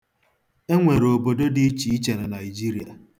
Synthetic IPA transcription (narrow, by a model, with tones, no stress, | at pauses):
e˦ŋʷe˨ɾo˨bo˨do˦di˦i˦t͡ʃi˨i˦t͡ʃe˨ɾɪ˨na˨ɪi˨d͡ʒi˦ɾi˨a˨